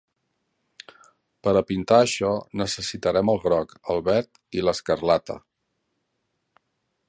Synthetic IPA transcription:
pəɾəpint̪aəʃɔnəsəsit̪əɾɛməlˠɣɾɔkəlˠβɛɾt̪ | iləskərlat̪ə̰

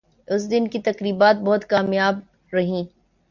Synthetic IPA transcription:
ʊs̬d̪ɪnkit̪ɐkɾiːbaːt̪̚bɔɦːʊt̪kaːmjaːb̚ | ɾɐɦĩː

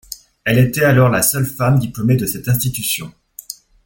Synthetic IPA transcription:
ɛlet̪ɛalɔʁlasœlfamd̪iplɔmed̪əsɛt̪ɛ̃st̪it̪ysjɔ̃

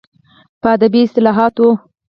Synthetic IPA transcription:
pəad̪abiɪst̪ɪlɑɦɑt̪o

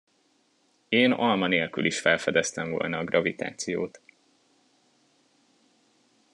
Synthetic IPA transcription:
eːnɒlmɒneːlkylʔiʃfɛlfɛd̪ɛst̪ɛɱvo̰ːlnɒːɡrʔɒvit̪a̰ːt̪sijo̰ːt̪

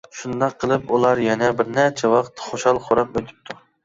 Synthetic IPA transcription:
ʃund̪ɑqʰːəlˠɨpulˠɑɾjɛnɛbɪɾnæt͡ʃʰɛwɑqt̪χoʃɑlˠχʰoɾɑp̚øt̪ʰɪ̥p̚t̪ʰu

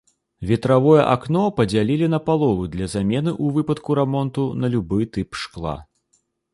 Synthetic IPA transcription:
vʲɛt̪ɾavɔjɛ̰ʔaknɔpɐd͡zʲalʲilʲinɐpalˠɔlˠud̪lʲɐzamʲɛnɨʔuvɨpɐt̪kuɾɛmɔnt̪unɐlʲubɨjt̪ɨpʂklˠa̰

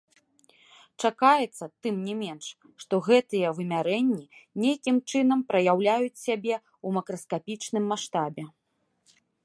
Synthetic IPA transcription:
t͡ʂakajɛt̪sːɐt̪ɨmnʲɛmʲɛnʂ | ʂt̪ɔɣɛt̪ɨjɛvɨmʲaɾɛnʲːinʲejkʲimt͡ʂɨnɐmpɾɐjawlʲajut͡sʲsʲabʲɛ | umɐkɾɐskapʲit͡ʂnɨmːaʂt̪abʲɛ

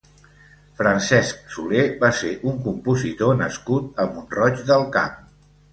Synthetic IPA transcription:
fɾənsɛsk̚sulebaseʔuŋkumpuzit̪onəskut̪̚əmbunrɔt͡ʃd̪əlˠka̰m

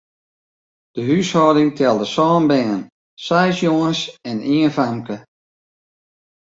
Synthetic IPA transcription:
d̥əɦyshɔːdɪŋtʰɛlˠdəsɔːnbɛːən | sɛjsjoŋəsɛniːənfamkə

